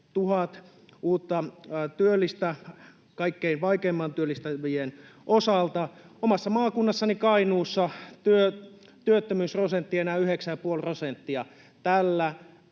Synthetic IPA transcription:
t̪uhɑt̪ | uːt̪ːɑt̪yølːist̪æ | kɑikːeinʋɑikeːmːɑnt̪yølːist̪æʋienʔosɑlt̪ɑomɑsːɑmɑːkunːɑsːɑnikɑinuːsːɑt̪yø | t̪yøt̪ːømyːsrosent̪ːiɑenæːyheksæjɑpuolprosent̪ːiɑ | t̪ælːæ

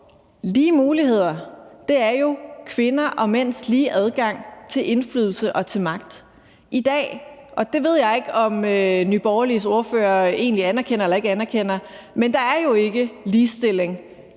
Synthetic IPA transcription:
liːmuːlihe̝ð̞̰ˠɐd̥e̝æɐjo̝kʰʋe̝nɐʔɒ̽men̰sliːʔæð̞ˠɡ̥ɑ̈ŋ̰t͡sʰe̝lʔe̝nfly̰ːð̞ˠl̩səʔɒ̽t͡sʰe̝lmɑ̈ɡ̥̚d̥ | ʔid̥ɛ̰ː | ʔɒ̽d̥e̝ʋe̝ð̞̰ˠjɑɪe̝ɡ̥ɒ̽mønyb̥ɒʊliso̝ɐfø̰ːɐe̝̰ːnliænæɐkʰen̰ɐelɐe̝ɡ̥əænæɐkʰen̰ɐ | mend̥ɑ̈æɐjo̝e̝ɡ̥əliːsd̥e̝l̰e̝ŋ

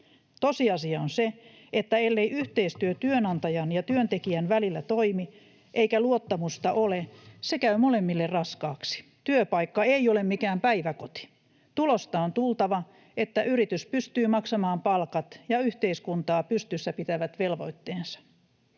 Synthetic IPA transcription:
t̪osiɑsiɑonse | et̪ːæelːeiʔyht̪eist̪yøt̪yønɑnt̪ɑjɑnjɑt̪yønt̪ekiænʋælilːæt̪oimi | ʔeikæluot̪ːɑmust̪ɑʔolesekæymole̞mːilːerrɑskɑːksi̥ | t̪yøpɑikːɑeiolemmikæːmpæiʋækot̪i̥ | t̪ulost̪ɑont̪ult̪ɑʋɑ | et̪ːæʔyɾit̪yspyst̪yːmɑksɑmɑːmpɑlkɑt̪jɑyht̪eiskunt̪ɑːpyst̪ysːæpit̪æʋæt̪ʋelʋo̞̰jt̪ːeːnsɑ̥

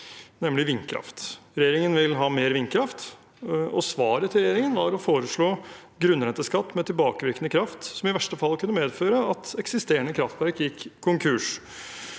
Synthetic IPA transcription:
nɛmlɪʋɪnːkʰɾɑ̰ft̪ɾɛjeːɾɪŋənʋɪlɦɑːmeːɾʋɪnkʰɾɑft̪ | ɔsʋɑːɾət̪ʰːɪlɾɛjeːɾɪŋənʋɑɾɔfoːɾəʂɭoː | ɡɾʉnːɾɛnt̪ːəskɑt̪ːmɛt̪ʰɪlbɑːkəʋɪɾkənəkʰɾɑft̪sɔmɪʋæʂʈəfɑlːˠkʰʉnːəmeːd̪føːɾəɑt̪ɛksɪst̪eːəɳəkʰɾɑft̪ʋæɾkjɪkʰːkʰːʊŋkʰʉʂ

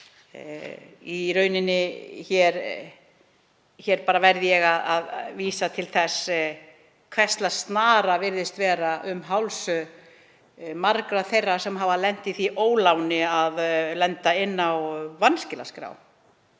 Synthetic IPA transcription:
iɾœɥnɪnːɪçɛɾ | çɛɾpaːɾavɛɾðɪjɛɣaðaðviːsat̪ʰɪlθɛs | kʰvɛst̪last̪naːɾavɪɾðɪst̪vɛːɾaʔʏmɦawlsʏ | maɾkɾaθejrːasɛmɦavalɛn̥t̪ɪθiʔoːwlawnɪaðlɛnt̪aɪnːawvanscɪla̰skɾa̰w

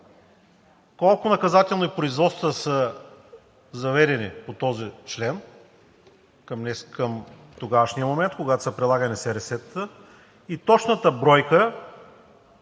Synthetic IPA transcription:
kɔlˠkʊnɐkɐzat̪ɛlˠnoipɾoizvɔt̪st̪əsə | zɐvɛɾɛnipot̪ɔzit͡ʃlɛn | kəmnɛskəm | t̪oɡaʃnijəmomɛnt̪̚koɡat̪o̥sɐpɾɛlˠaɡɐnisɛɾɛsɛt̪ə | it̪ɔt͡ʃnət̪əbɾɔjkə

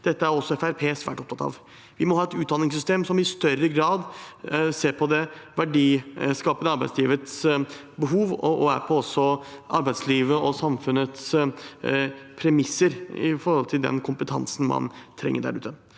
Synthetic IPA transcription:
d̪̥ɛt̪ːəæɾɔsːɔɛfæɾpʰeːsʋæ̰ːʈɔp̚t̪ʰɑt̪ʰɑ̰ːʋ | ʋɪmɔhɑːɛt̪ʉːt̪d̪ɑnɪŋs̬ʏst̪eːmsɔmɪst̪œɾəɡɾɑːd̪seːɾpʰɔd̪ɛʋæɖiːskɑːpənəɑɾbæɪd̪sliːʋət̪s | bəɦuːʋɔʔɔæɾpʰɔɔsːɔɑɾbæɪd̪sliːʋəɔsɑmfʉnət̪s | pʰɾɛmɪsəɾɪ̰fɔɾhɔlt̪ʰɪld̪ɛ̰nkʰʊmpət̪ʰɑ̰nsn̩mɑ̰nt̪ʰɾɛ̰ŋːəɖæ̰ɾʉ̰ːt̪ə

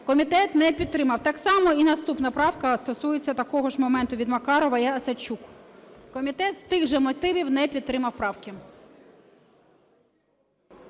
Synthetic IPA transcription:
kɔmʲit̪ɛt̪nɛpʲid̪̚t̪ːɾɪmɐwt̪ɑksɑmɔinɐst̪upnɐpɾɑwkɐst̪ɔsujet͡sʲːɐt̪ɐkɔɦɔʒmɔmɛnt̪ʊʋʲid̪mɐkɑɾɔʋɐjɑɐsɐt͡ʃukkɔmʲit̪ɛt̪st̪ɪɣʒɛmɔt̪ɪʋʲiwnɛpʲid̪̚t̪ːɾɪmɐwpɾɑwkʲɪ

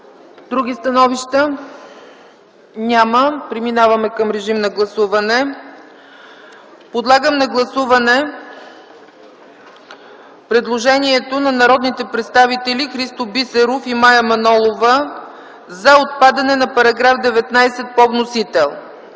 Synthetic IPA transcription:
d̪ɾuɡ̟ʲist̪ɐnɔviʃt̪ə | nʲaməpɾiminavɐmɛkəmɾɛʒimnɐɡlˠɐsuvɐnɛ | pod̪lˠaɡəmnɐɡlˠɐsuvɐnɛ | pɾɛd̪lˠoʒɛniɛt̪onɐnɐɾɔd̪nit̪ɛpɾɛt̪st̪avit̪ɛlixɾist̪obisɛɾufimajɐmɐnɔlˠovə | zɐot̪̚pad̪ɐnɛnɐpɐɾɐɡɾafd̪ɛvɛt̪najsɛt̪̚povnosit̪ɛlˠ

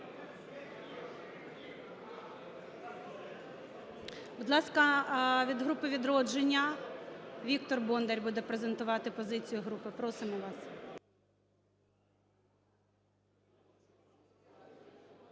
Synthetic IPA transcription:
bʊd̪lˠɑskɐʋʲid̪ɦɾupɪʋʲid̪ɾɔd͡ʒenʲːɐ | ʋʲik̚t̪ɔrbɔnd̪eɾʲbud̪ɛpɾezent̪ʊʋɑt̪ɪpɔzɪt͡sʲijʊɦɾupɪpɾɔsɪmɔʋɑs

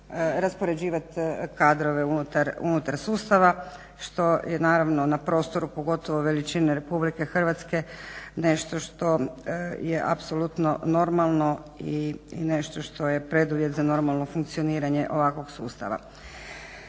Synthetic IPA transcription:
ɾaspo̞ɾe̞d͡ʑiːʋat̪kaːd̪ɾo̞ʋe̞unut̪aɾṵnut̪aɾsuːst̪aʋa | ʃt̪o̞jenaːɾaʋno̞napɾo̞ːst̪o̞ɾupo̞ɡo̞t̪o̞ʋo̞ʋe̞lit͡ʃineɾe̞publike̞xr̩ʋat̪ske̞ne̞ʃt̪o̞ʃt̪o̞jeʔa̰pso̞lut̪no̞̰no̞ɾmalˠno̞ine̞ʃt̪o̞ʃt̪o̞je̞pɾe̞d̪uʋje̞t̪zano̞ɾmalˠno̞fuŋk̚t̪sio̞niːɾaɲe̞ʔo̞ʋakʋo̞ɡsuːst̪a̰ʋa̰

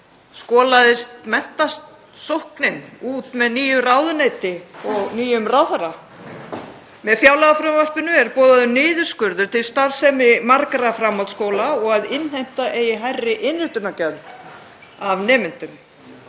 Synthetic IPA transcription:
skɔːlaðɪst̪mɛn̥t̪ast̪ | sowhknɪnuːt̪mɛðniːjʏraːwðʏnejt̪ɪɔɣniːjʏmraːwθaɾa | mɛðfjaːwlaɣafɾamvar̥pɪnʏɛɾpɔːðaðʏnɪːðʏɾ̥skʏɾðʏɾt̪ʰɪlst̪aɾ̥sɛmɪmaɾkɾafɾamːalt̪skoːwlaɔɣaðɪnhejm̥t̪aʔeːjɪɦajrːɪʔɪnːʏht̪ʏnacœlt̪ | avnɛːmɪn̥t̪ʏm

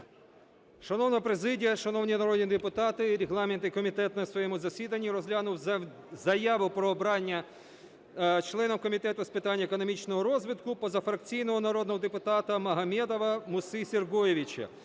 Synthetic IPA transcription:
ʃɐnɔwnɔɔpɾezɪdʲijɐʃɐnɔwnʲinɐɾɔd̪ʲnʲid̪epʊt̪ɑt̪ɪɾʲeɦlˠɑment̪ikɔmʲit̪ɛt̪nɐsʋɔjɛmʊzɐsʲid̪ɐnʲːiɾɔzʲlʲanʊwzɐjaʋʊpɾɔːbɾɑnʲːɐ | t͡ʃlˠɛnɔmkɔmʲit̪ɛt̪ʊspɪt̪ɑnʲːɐekɔnɔmʲit͡ʃnɔɦɔɾɔzʋɪt̪kʊpɔzɐfɾɐk̚t͡sʲijn̪ɔɦɔnɐɾɔd̪nɔɦɔd̪epʊt̪ɑt̪ɐmɐɦɐmʲɛd̪ɔʋɐmʊsɪsʲerɡɔjeʋʲit͡ʃɐ̰

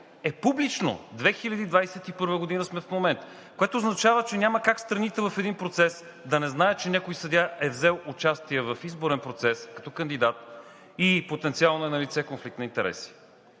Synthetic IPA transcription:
ɛpublit͡ʃno̰d̪vɛxilʲɐd̪iːd̪vajsɛt̪ipɤɾvəɡod̪inəsmɛfmomɛnt̪ | koɛt̪oːznɐt͡ʃavət͡ʃɛnʲaməkakst̪ɾɐnit̪ɛvɐfɛd̪inpɾot̪sɛs | d̪ɐnɛznaɛt͡ʃɛnʲakojsɐd̪ʲaʔɛvzɛlˠʊt͡ʃast̪iɛvɐfizboɾɛnpɾot̪sɛskɐt̪ɔkɐnd̪id̪at̪̚ | ipot̪ɛnt̪sialˠnoɛnɐlit̪sɛkonflik̚t̪nɐint̪ɛɾɛ̰si̥

